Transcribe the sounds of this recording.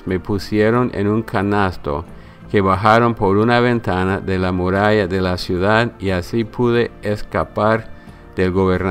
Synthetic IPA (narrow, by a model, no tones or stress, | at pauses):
me̞pusjeɾo̞nʔḛnuŋkʰanast̪o̰ | ke̞βaxaɾo̞npo̞ɾunaβe̞nt̪anaðelamuɾaʝaðe̞lasjuðaðiasipʰuðeeskapaɾ | ðelɣoβeɾn